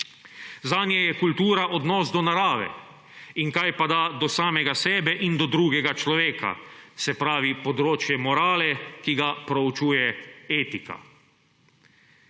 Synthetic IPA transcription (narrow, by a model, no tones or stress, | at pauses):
zaːnjɛjɛkult̪uːɾaʔɔd̪nɔːsd̪ɔnaɾaːʋɛ̰ | iŋkajpad̪aːd̪ɔsaːmɛɡasɛːbɛʔind̪ɔd̪ɾuːɡɛɡat͡ʃlɔʋeːka̰sɛpɾaːʋipɔd̪ɾoːt͡ʃjɛmɔɾaːlɛkiɡapɾɔut͡ʃuːjɛeːt̪ika̰